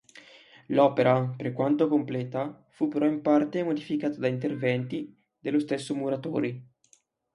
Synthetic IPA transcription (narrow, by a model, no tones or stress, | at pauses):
lɔpeɾapeɾkwant̪okomplɛːt̪a | fupeɾɔimpart̪emod̪ifikaːt̪ad̪aint̪ervɛnt̪i | d̪elːost̪esːomuɾat̪o̰ːɾi